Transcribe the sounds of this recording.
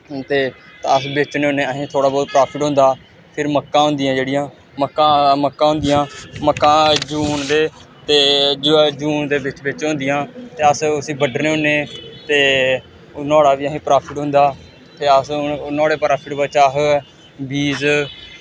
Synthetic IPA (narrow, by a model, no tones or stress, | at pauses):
t̪eːəsbɪt͡ʃneonẽːəɦĩːt̪ʰoːɽaːbɔːt̪pɾaːpʰɪʈɦʊ̃nd̪aː | pʰɪɾməkːãːɦʊ̃nd̪ɪjãːd͡ʒeːɽɪjãː | məkːãːməkːãːɦʊ̃nd̪ɪjãːməkːãːd͡ʒuːɳd̪eː | t̪eːd͡ʒd͡ʒuːnd̪eːbɪt͡ʃbɪt͡ʃõːnd̪ɪjãːt̪eːəsʊsĩːbəɖneːʊneːt̪eː | nɔːɽaːʋiːəɦĩːpɾaːpʰɪʈɦʊ̃nd̪aː | t̪eːəsnɔːɽeːpɾaːpʰɪʈbət͡ʃəɦ | biːz